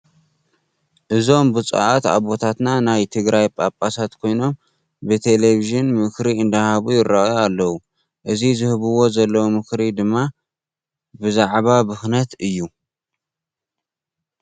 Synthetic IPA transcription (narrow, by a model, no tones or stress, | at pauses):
ʔɨzo̞mbɨt͡sʼṵʔat̪a̰βo̞t̪ʰat̪nanajt̪ʰɨɡɾajpʼapʼasat̪kʰo̞jno̞m | bɨt̪ʰe̞le̞βiʒɨnmɨkɾiɨnd̪ahaβujɪrːaʔjalːɐwu | ʔɨzizɨhɨβɨwo̞zɐlːɐwumɨkɾid̪ɨmːa | bɨzaʕβabɨxnɐt̪ɨjːu